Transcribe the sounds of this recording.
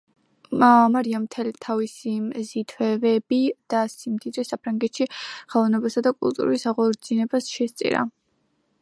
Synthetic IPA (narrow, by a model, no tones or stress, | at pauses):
maɾiamt̪ʰɛlit̪ʰavisizit̪ʰvɛvɛbid̪̥asimd̪id̪ɾisapʰɾaŋɡɛt̪ʃiχalˠɔvnɛbasad̪akʼṵlˠt̪ʼṵɾuisaʁɔɾd̪zinɛbasʃɛst̪sʼḭɾa̰